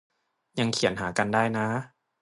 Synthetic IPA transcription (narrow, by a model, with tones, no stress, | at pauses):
ja˧ŋkʰi˨˩˦nɦaː˩˦ka˧ndaː˥˩jna˦˥